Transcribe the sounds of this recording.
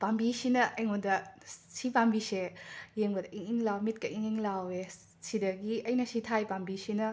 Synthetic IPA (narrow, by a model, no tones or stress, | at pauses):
pambisinɐʔɐjŋondɐsipambisejeŋbɐdɐiŋiŋlawmit̚kɐiŋiŋlawe | sidɐɡiɐjnɐsitʰajpambisinɐ